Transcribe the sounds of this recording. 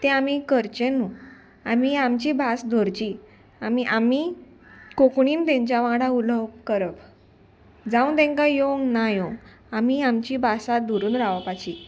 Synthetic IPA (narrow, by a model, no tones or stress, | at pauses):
t̪ẽamikəɾt͡ɕẽnu | amiamt͡ɕiːbʱasd̪ʱoɾt͡ɕiː | amiʔami | kokɳ̃iːnt̪ẽɲt͡ɕjaʋãɽauləwkəɾəb | d͡zaũt̪ɛ̃ŋkajoŋnajõ | amiamt͡ɕiːbʱasad̪ʱuɾuːnɾaʋapat͡ɕiː